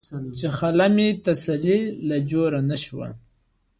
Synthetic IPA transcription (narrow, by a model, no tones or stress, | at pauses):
t͡ʃexalamit̪asalilad͡ʒoɾanaʃwa̰